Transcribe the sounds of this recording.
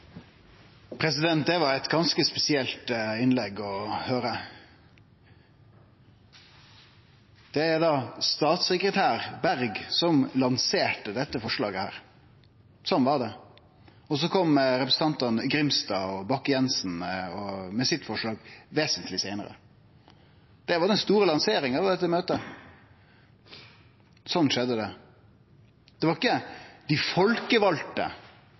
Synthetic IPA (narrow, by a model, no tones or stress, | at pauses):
pʰɾɛsɪd̪ɛnt̪̚d̪ɛʋɑɾæt̪ɡɑnskəspɛsɪɛlt̪ɪnlɛɡːɔhøːɾə | d̪̥ɛæd̪ɑst̪ɑːt̪səkɾət̪ʰæːɾbæɾɡsɔmlɑnseːʈəd̪ɛt̪ːəfɔʂɭɑ̰ːɡəhæ̰ːɾ | sɔmʋɑɖ̪ɛ | ɔs̬ɔkʰɔmːɾɛpɾəsn̩t̪ɑnt̪ɑnɡɾɪmst̪ɑːɔbɑkːjɛnsn̩ɔmɛsɪt̪ːfɔʂɭɑːɡʋeːsənt̪lɪsæɪnə̰ɾə̰ | d̪̥ɛʋɑd̪ɛnst̪uːɾəlɑnseːɾɪŋɑʋd̪ɛt̪ːəmøːt̪ə | sɔnːʂɛd̪ːəd̪ɛ | d̪̥ɛʋɑɾɪkːəd̪̥ɪfɔlkəʋɑlt̪ə̰